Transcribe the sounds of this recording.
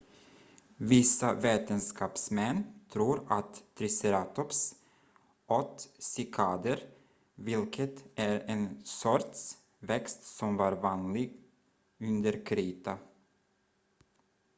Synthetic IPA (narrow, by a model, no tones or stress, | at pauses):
vɪsaveːt̪ənskɑːpsmɛnːt̪ʰɾuːɾat̪ʰːɾɪsɛɾɑːt̪ɔps | ʔɔt̪sɪkʰɑːd̪əɾ | vɪlkʰət̪æɾɛnsɔɾt̪s | vɛkst̪sɔmvɑːɾvɑːnlɪɡ | ɵnd̪əɾkʰɾiːt̪ʰa